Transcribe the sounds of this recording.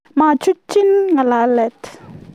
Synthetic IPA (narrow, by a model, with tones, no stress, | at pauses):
ma˥˨t͡ɕʰu˥k̚t͡ɕi˥nŋa˩˨la˨lɛ˩˨t̪